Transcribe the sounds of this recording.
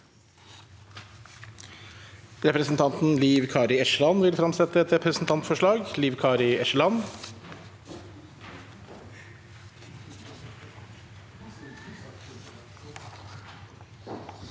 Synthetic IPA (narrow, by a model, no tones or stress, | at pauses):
ɾɛpɾəsn̩t̪ʰɑnt̪n̩liːʋkʰɑːɾɪɛʃlɑnʋɪlfɾɑmsɛt̪ːəɛt̪ɾɛpɾəsn̩t̪ʰɑnt̪fɔʂɭɑːɡliːʋkʰɑːɾɪɛʃlɑn